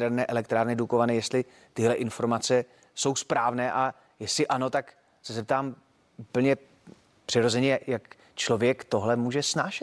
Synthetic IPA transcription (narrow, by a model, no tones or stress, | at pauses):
ɛɾnɛːʔɛlɛkt̪ɾaːɾnɪdukovanɛjɛst̪lɪ | t̪ɪɦlɛʔɪnfo̞ɾmat͡sɛ | so̞wspɾaːvnɛːʔa | jɛslɪʔano̞t̪ak | sɛzɛp̚t̪aːm | upl̩ɲɛ | pr̥ɪɾo̞zɛɲɛjak | t͡ʃlovjɛkt̪o̞ɦlɛmuːʒɛsnaːʃɛt̪